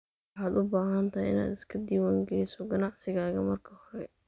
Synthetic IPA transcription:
ħaːd̪ʊbaːɦɐnt̪ʰɐɦɛ̰jɪ̰na̰ːd̪ɪskʰɐd̪iːwaːŋɡɛlɪsɔɡɐnɑʕsɪɣaːɣɐmɐrkʰɐhɔɾɛ

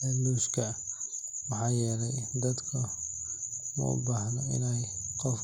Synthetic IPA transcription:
luːʃkʰɐ | wɑħɑːjɛːlɛjd̪ɐd̪kʰɐ | mɐ̰ʊ̰baːhnɐɪ̰nɛj | qɔf

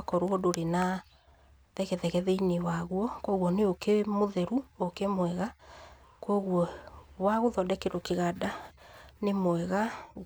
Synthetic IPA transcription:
kɔɾoodoɾena | ðɛɣɛðɛɣɛðɛinewaɣwɔkɔɣwɔneokemoðɛɾuokemwɛɣakɔɣwɔwaɣoðɔdɛkeɾokeɣadanemwɛɣa

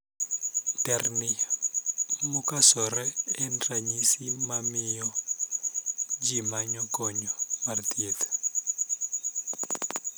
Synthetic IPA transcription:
tɛrni | mukasɔɾɛːndaɲisimamijɔ | d͡ʒimaɲɔkɔɲɔmart̪iet̪ɛ̥

